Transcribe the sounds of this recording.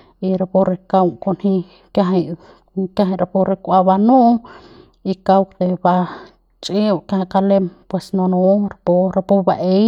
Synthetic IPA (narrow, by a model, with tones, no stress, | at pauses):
i˧ɾa˧po˧ɾe˧ka˧wko˧nhĩ˧ | kja˧ɦe˧j | kja˧ɦa˧ɾa˧po˧ɾe˧kʷa˧ba˧nũ˦ʔ | i˧ka˧wkd̪e˧ba˧ | t͡ʃʼe˦˧˨kja˧ha˧ka˧le˧mpwe˧snõ˧nõ˧ɾa˧po˧ɾa˧po˧ba˧ʔe˦j